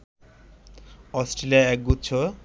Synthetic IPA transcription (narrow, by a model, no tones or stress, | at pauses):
ɔsʈɾeliaɛk̚ɡut̪ːt͡ɕʰo